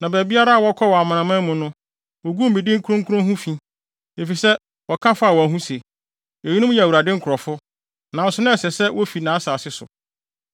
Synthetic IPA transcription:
nã˨bæ˨bi˦a˦ɾa˦a˨wɔ˦kʰɔ˦wɔ˨a˨mã˨ã˨mã˦mũ˨nʊ̃˦ | wo˨ɡu˦m̩˨bi˨dɪ̃˦ŋ̩˦kʰu˦ɾʊ̃˦ŋkʰɾʊ̃˦ɦũ˦fĩ˦ | e˨fi˨sɛ˦ | wɔ˨kʰã˦fa˦a˨wɔ˨ɦũ˦se˨ | ɔ˨ji˦nʊ̃˦m˦jɛ˨u˨ɾa˨dɪ̃˦ŋ̩˦kʰʊ˨ɾɔ˨fʊ˦ | nã˨n̩˨sʊ˦nʊ̃˦ɛ˨sɛ˨sɛ˦wɔ˦fi˨nã˨˦a˦saː˨sɪ˦sʊ̰˨

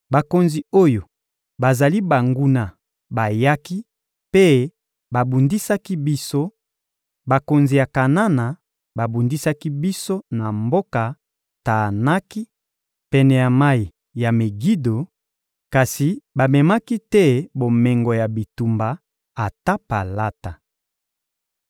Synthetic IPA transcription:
ba˨ko˨nzi˨o˦jo˨ | ba˨za˨li˦ba˨ŋɡu˦na˨ | ba˨ja˦ki˦ | pe˦ | ba˨bu˨ndi˦sa˦ki˦bi˦so˦ | ba˨ko˨nzi˨ja˨ka˨na˦na˨ | ba˨bu˨ndi˦sa˦ki˦bi˦so˦na˨mbo˦ka˨ | ta˨na˦ki˦ | pɛ˦nɛ˨ja˨ma˦i˨ | ja˨me˨ɡi˦do˨ | ka˨si˨ba˨mɛ˨ma˦ki˦tɛ˦bo˨mɛ˨ŋɡo˨ja˨bi˨tu˨mbaː˨ | ta˦pa̰˨la˦ta˨

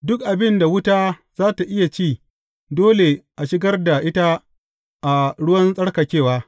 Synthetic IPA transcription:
dʊ˦kʔa˨bɪ˦nda˨wʊ˦taː˦z̥aː˦ta˨ʔɪ˦ja˨t͡ʃiː˦˨ | doː˦le˨ʔa˨ʃɪ˦ɡɐ˦rda˨ʔɪ˦ta˦ | ʔa˨ɽʊ˦wɐ˦nsʼɐ˦ɽka˨kʲeː˦˨waː˦

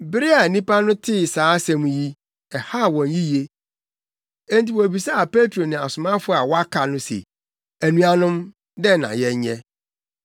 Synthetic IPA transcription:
bɪ˦ɾɪ˦a˨nĩ˦pʰa˦nʊ̃˦tʰɪ˦˨saː˨˦sɛ̃˦m̃˨˦ji˦ | ɛ˨ha˦˨wɔ̃˨nji˦je˦ | ẽ˦nti˨wɔ˨æ˨bi˨sa˦a˨pe˦tʰɾo˨nɪ̃˨a˨sʊ˨mã˦fʊ˦a˨wɔ˦a˦kʰa˨nʊ̃˦sḛ˨ | æ˨nũ˦a˨nʊ̃˦m | dɛ˦nã̰˨jɛ˦ɲɛ̰̃˦

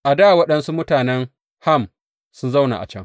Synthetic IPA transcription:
ʔa˨daː˦˨wɐ˦ɗɐ˦nsu˦mʊ˦taː˨nɛ˦ŋ | ha˦m | sʊ˦nza˦wna̰˨ʔa̰˨t͡ʃɛ̰˦ŋ

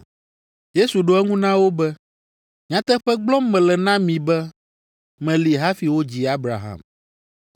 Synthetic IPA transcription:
je˦su˨ɖo˦ɛ˦ŋũ˦nã˦wo˦bɛ˦ | ɲ˨ã˨˦t̪ɛ˦ɸɛ˦ɡ͡blɔ˦mːɛ̃˨lɛ˨nã˦mĩ˨bɛ˦ | mɛ̃˨li˨ɦa˦fi˨wo˦d͡ʑi˨a˦bɾa̰˨ɦa̰˨m

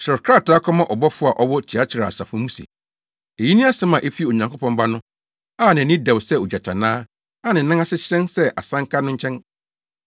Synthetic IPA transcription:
sɾɔ˨ɾkʰɾa˦˨ta˦kʰɔ˦mã˦ʔɔ˨bɔ˦fʊ˦a˨ʔɔ˦wɔ˦t͡ɕʰɪ˨a˦t͡ɕʰɪ˨ɾa̰˨a̰˨sa̰˨fʊ˦mũ˦sḭ˨ | e˨ji˦nĩ˦a˦sɛ˦mã˨ʔe˦fi˦˨o˨ɲã˨ŋkʰo˦pʰɔ̃˦mba˦nʊ̃˦ | a˦˨nɪ̃˨˦nɪ̃˦da˨wsɛ˦o˨d͡ʑa˨tʰa̰˨nãː˦ | a˦nɪ̃˨nã˦ŋa˦sɪ˦t͡ɕɪ˦ɾɛ̃˦nsɛ˦ʔa̰˨sã˦ŋ˦kʰa˦nʊ̃˦ɲ̩˦t͡ɕʰɛ̃˦n

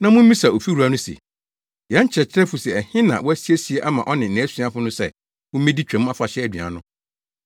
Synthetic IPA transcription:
nã˦mʊ̃˦m˦ĩ˦sa˨o˨fi˦ɾu˨a˦nʊ̃˦sḛ˨ | jɛ̃˦ɲ̩˦t͡ɕʰɾɛ˨t͡ɕʰɪ˦ɾɛ˦fʊ˨sɛ˨ɛ˨hɪ̃˦nã̰˨wɔ˦æ˦si˦e˦si˨e˦ʔa˦mã˨ʔɔ˦nɪ̃˨n̩˨nɛ̃˨˦su˦a˦fʊ˦nʊ̃˦sɛ̰˦˨ | mʊ̃˦mĩ˦di˦t͡ɕᶣɛ̃˨m̃˦a˦fa˨ɕɛ˦æ˨dɥa̰˨nʊ̃˦

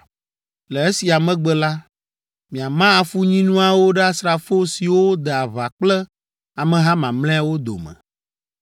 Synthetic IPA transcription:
lɛ˨e˦si˨a˨mɛ̃˦ɡ͡bɛ˦la˦ | mĩ˨a˨mã˦a˨fu˦ɲĩ˦nũ˦a˨wo˦ɖɛ˦a˦sɾa˨fo˦si˨wo˦d̪ɛ˨a˨βa˨k͡plɛ˦ | a˨mɛ̃˨ɦã˦mã˨mlɛ̃˦a˦wo˦d̪o̰˨mɛ̰̃˨

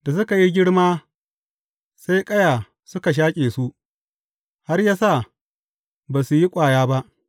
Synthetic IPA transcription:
da˨s̬ʊ˦ka˨ji˦ɡʲɪ˦ɽmaː˦ | sa˦jkʼɐ˦jaː˨ | sʊ˦ka˨ʃ̬aː˦kʲʼeː˨su˦ʔ | ha˦rjaː˦sa˦˨ | baː˨su˨ji˦kʷʼaː˨jaː˦ba˦ʔ

